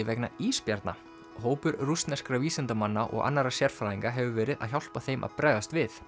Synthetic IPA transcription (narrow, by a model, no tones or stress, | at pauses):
ɪvɛknaiːspjaɾt̪na̰ | ɦoːwpʏɾrust̪nɛskɾaviːsɪnt̪amanːaʔɔ̰ɣa̰nːaɾasjɛɾ̥fɾaːðiŋkaɦɛvʏvɛːɾɪða̰ðçawl̥paθejmʔa̰ðpɾɛːjðast̪vɪθ